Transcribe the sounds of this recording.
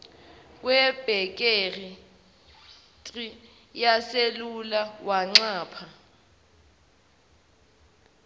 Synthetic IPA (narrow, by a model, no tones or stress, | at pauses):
k̬ʼwɛb̥ʱɛk̬ʼeri | tʼri | jaselulawʔaŋ͡ǀaːpʰa